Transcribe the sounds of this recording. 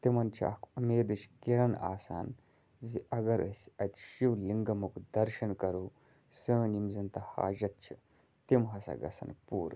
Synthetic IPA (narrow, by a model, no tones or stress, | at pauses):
t̪imɐnt͡ʃʰɐ̰kʰɐmeːd̪ɨt͡ʃʰkiɾɐna̰ːsa̰ːn | ziʔɐɡɐɾə̰sʲɐt̪ʲʃiwliŋɡɐmukd̪ɐɾʃɐnkɐɾuː | səːnimzɐnt̪ɐha̰ːʒɐt̪̚t͡ʃʰi | t̪imɦɐsɐ̰ɡɐ̰sɐ̰npuːɾ